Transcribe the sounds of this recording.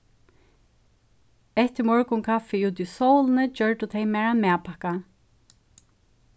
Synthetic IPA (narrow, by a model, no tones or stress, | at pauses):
ɛht̪ɪmɔɹkʊŋkʰafɪut̪isɔwlnəd͡ʒœɹʈ̪ʊt̪ʰɛjmɛːɹamæːpʰahka